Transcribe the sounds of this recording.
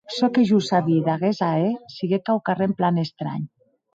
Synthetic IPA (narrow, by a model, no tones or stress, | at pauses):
sɔkeʒusaβiðaɣezaesiɣekawkaremplanest̪ɾa̰ɲ